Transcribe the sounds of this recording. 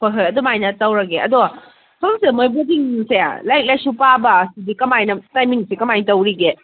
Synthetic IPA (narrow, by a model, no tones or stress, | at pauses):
pʰoɦɯjɐdomajnɐtɐwɾɐɡeɐ̰do | pʰɐmsemojbɐdiŋsea̰lajk̚lajsupabɐsidikɐmajnɐtajmiŋsikɐmajtɐwɾiɡe